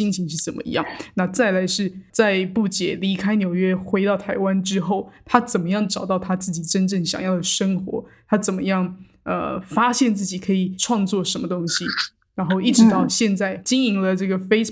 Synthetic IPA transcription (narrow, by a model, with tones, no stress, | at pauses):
i˥ŋt͡ɕʰi˧˥ŋʂɻ̩˥˩t͡sə˨˩nmə̰˦ḭ˧˥jɑ̰˥˩ŋna˥˧t͡sa˥˩ɪla˧˥ɪʂɻ̩˥˧t͡sa˥˧ɪpu˥˩t͡ɕjɛ˨˩˦li˧˥kʰa˥ɪnjo˨˩ʊɥɛ˥xwe˧˥ɪt̪ɑ˥˩ʊt̪ʰa˧˥ɪwa˥nʈ͡ʂɻ̩˥xo˥˩ʊt̪ʰa˥t͡sə˨˩nmə˦jɑ˥˩ŋʈ͡ʂɑ˨˩ʊt̪ɑ˥˩ʊt̪ʰa˥t͡sɹ̩˥˩t͡ɕi˨˩ʈ͡ʂə˥nʈ͡ʂɤ˥˩ŋɕjɑ̰˨˩ŋjɑ˥˩ʊd̪ə˩ʂɤ˥ŋxwɔ̰˧˥t̪ʰa˥t͡sə˨˩nmə̰˦jɑ˥˩ŋ | ə̰˧fa˥ɕjɛ˥˧nt͡sɹ̩˥˩t͡ɕi˨˩kʰɤ˧˥i˨˩ʈ͡ʂʰwɑ˥˧ŋt͡swɔ˥˩ʂə˧˥nmə˧t̪ʊ˥ŋɕi˨ | ɻa˧˥nxo˥˧ʊi˥˩ʈ͡ʂɻ̩˧˥t̪ɑ˥˧ʊɕjɛ˥˧nt͡sa˥˩ɪt͡ɕi˥ŋi˧˥ŋlə˧ʈ͡ʂɤ˥˩ɡə˩fe˥ɪs